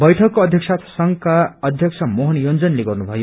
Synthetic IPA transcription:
bʌjʈʰʌkːoʌd̪ʱjʌksat̪ʰsʌŋkaʌd̪ʱjʌk̚sʰʌmoɦʌnjond͡zʌnleɡʌrnubʱʌjo

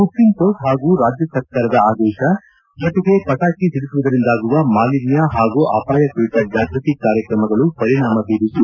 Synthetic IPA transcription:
pukːinpokɦaːɡuːɾaːd͡ʒjɐsɐɾkaːɾɐd̪ɐaːd̪ɛːʃɐ | d͡ʒɔt̪ɛɡepɐʈaːkisiɽisiʋɐd̪ɐɾind̪aːɡuʋɐmaːlinjaɦaːɡuʔɐ̰ːpaːjɐkuʋiʈ̪ɐd͡ʒaːɡɾɐt̪ikaːɾjɐkɾɐmɐɡɐɭupɐɾiɳaːmɐbiːɾisu

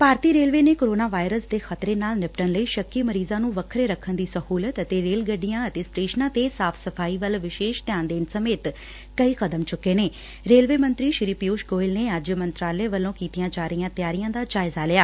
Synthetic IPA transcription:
paːɾt̪iːɾeːlʋeːneːkoːɾoːnaːʋaːɪɾəsd̪eːxət̪ɾeːnaːlnɪpʈənləiːʃəkːiːməɾiːzãːnũːʋəkʰɾeːɾəkʰːənd̪iːsəhuːlət̪ət̪eːɾeːlɡəɖːijãːət̪eːsʈeːʃnãːt̪eːsaːpʰsəpʰaːiːʋəlʋɪʃeːʃt̪ɪjaːnd̪eːnsəmeːt̪ | kəiːxəd̪əmt͡ʃʊkːeːneː | ɾeːlʋeːmənt̪ɾiːʃɪɾiːpɪjuːʃɡoːɪlneːəd͡ʒmənt̪ɾaːleːʋəlõːkiːt̪ijãːt͡ʃaːɾijãːt̪ɪjaːɾijãːd̪aːd͡ʒaːɪzaːlɪjaː

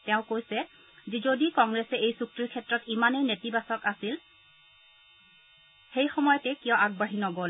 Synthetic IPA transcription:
tɛʊ̃kojsɛ | zizodikɔŋɡɹɛsɛejsuk̚tɹikʰɛtɹɔtimanejnetibasɔkasil | xejxɔmɔjɔtɛkijɔaɡ̚baɦinɔɡol

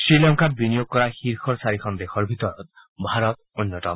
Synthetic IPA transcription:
sɾilɔŋkaɾbinijoɡ̚kɔɾaxiɾkʰɔɾsaɾikʰɔnd̪ekʰɔɾbʱit̪ɔɾɔt̪̚ | bʱaɾɔt̪onːjɔtɔm

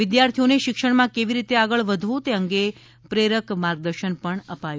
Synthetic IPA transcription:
ʋɪd̪jaɾt̪ʰijoneʃɪkʃəɳ̃mãkeʋiɾit̪eaɡəɭʋəd̪ʱʋũt̪eəŋɡe | pɾeɾəkmaɾɡ̚d̪əɾʃənpəɳəpajũ

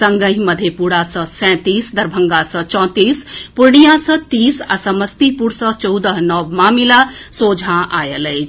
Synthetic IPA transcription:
səŋɡə̃ɦməd̪ʱjepuɽasə̃sɛ̃t̪isd̪əɾbʱəŋɡasə̃t͡ʃɔ̃ːt̪iːspuɾɳijasə̃t̪isa̰səməst̪ipuɾsə̃t͡ʃəwd̪əɦnɔʋmamilasod͡ʒʱãʔajələɪt͡ʃʰ

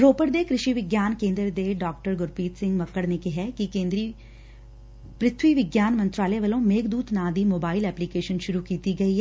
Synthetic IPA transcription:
ɾoːpəɽd̪ekɾɪʃiʋɪɡjaːnkẽːnd̪ɾəd̪eːɖaːk̚ʈəɾɡʊɾpiːt̪sɪ̃ŋɡməkːəɽnekɪɦɛkɪkẽːnd̪ɾi | pɾɪt̪ʰwiʋɪɡjaːnmə̃nt̪ɾaːleʋɐlõːmeːkd̪uːt̪naːd̪iːmoːbaːɪlɛːplikeːʃənʃʊɾukiːt̪iɡɐiːɦɛː

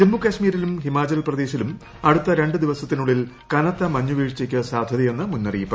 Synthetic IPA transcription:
d͡ʑemːukːɐːɕmiːɾilumɦimaːt͡ɕɐlprɐd̪e̞ːɕilum | ɐɽut̪ːɐɾe̞ɳɖɨd̪iʋɐsɐt̪ːinuɭːil | kɐnɐt̪ːɐmɐɲːuʋiːʂt͡ɕːikʲːɐsaːd̪ʱjɐðɐje̞nːɨmunːɐrijipːɐ

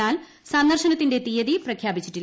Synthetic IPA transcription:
aːl | sɐnd̪ɐrʂɐnɐt̪ːinde̞t̪ijɐðiprɐkʰjaːbit͡ɕːiʈːil

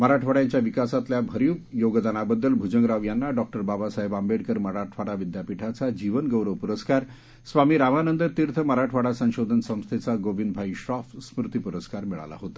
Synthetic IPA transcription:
məɾaʈʰʋaɽjaɲt͡ɕjaʋikasat̪ljabʱəɾjukjoɡd̪anabəd̪ːəlbʱud͡ʑəŋɡɾaʋjanːaɖɔk̚ʈəɾbabasaɦebambeɽkəɾməɾaʈʰʋaɽaʋid̪japiʈʰat͡sad͡ʑiʋənɡəwɾəʋpuɾəskaɾ | sʋamiːɾaʋanənd̪əɾt̪iɾt̪ʰəməɾaʈʰʋaɽasə̃ɕod̪ʱənsə̃w̃st̪ʰet͡saɡoʋind̪̚bʱaiɕɾɔfsmɾut̪ipuɾəskaɾmiɭa̰la̰ɦot̪a

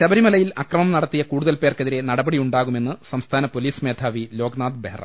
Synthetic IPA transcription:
ɕɐbɐɾimɐlɐjilɐkrɐmɐmnɐɽɐt̪ːijɐkuːɽuðɐlpe̞ːrkɐðiɾe̞nɐɽɐbɐɽiuɳɖaːɣume̞nːɨsɐmst̪ʰaːnɐpo̞liːsmeːd̪ʱʰaːʋilo̞ːɡnaːd̪berɐ̰m

